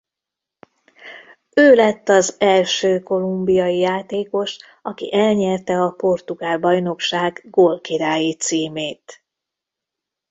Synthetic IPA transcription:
øːlɛt̪ːɒzɛlʃøːko̞lumbijɒjijaːt̪eːko̞ʃ | ɒkḭʔɛlɲɛrt̪ɛɒpo̞rt̪uɡaːlbɒjno̞kʃaːɡɡolkiɾaːjit̪siːmeːt̪

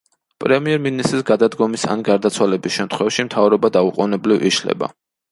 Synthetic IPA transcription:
pʼɾɛmiɛɾminist̪ʼɾisɡad̪ad̪ɡɔmisa̰nɡaɾd̪at̪sʰwalɛbisʃɛmt̪ʰχwɛvʃimt̪ʰavɾɔbad̪auqʼɔnɛblivḭʃlɛ̰ba̰

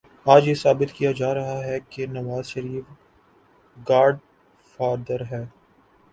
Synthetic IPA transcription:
aːd͡ʒjesaːbɪt̪kijad͡ʒaːɾɐɦaɦɛkenɐʋaːzʃɐɾiːf | ɡaːɾɖ | faːɾd̪əɾɦɛː

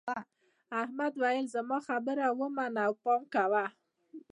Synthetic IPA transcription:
a | ahmad̪wajəlzamɑxabəɾawəmanawpɑmkawa

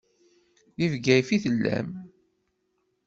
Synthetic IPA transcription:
ðivɡæjfiθəlːæ̰m

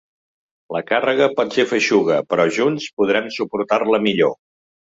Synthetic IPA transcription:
ləkarəɣəpɔt̪sefəʃuɣ̞əpɾɔʒunspuð̞ɾamsupuɾt̪arləmiʎo

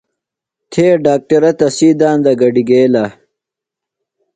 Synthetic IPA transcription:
t̪ʰeːɖaːk̚ʈɐɾɐt̪ɐsiːd̪aːnd̪ɐɡɐɖiɡeːla

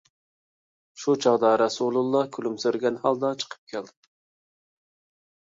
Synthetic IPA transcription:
ʃut͡ʃʰɑʁd̪ɑɾɑsulˠulˠːɑkʲʰylymsøɾɡʲɛnhɑlˠd̪ɑt͡ʃʰə̥qʰə̥p̚kʲʰɛld̪ɪ

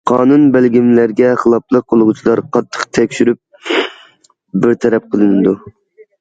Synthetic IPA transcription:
qʰɑːnunbælɡʲimlæɾɡʲɛχəlˠɑplˠəq̚qʰːolˠʁʊt͡ʃʰilˠɑɾqʰɑt̪ʰːə̥qt̪ʰɛkʲʃyɾyp̚ | bɪɾt̪ʰɛɾɛp̚qʰəlˠɨnɨd̪u

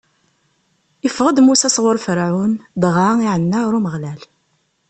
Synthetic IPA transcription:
ifʁəd̪musæsˤʁəɾˤfəɾʕund̪ʁɑiʕənːaɾuməʁlæl

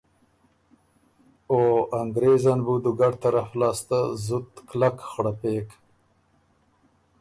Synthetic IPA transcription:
oaŋɡɾezanbud̪uɡaɖt̪aɾaflɑːst̪azʊt̪klakxɽapeːk

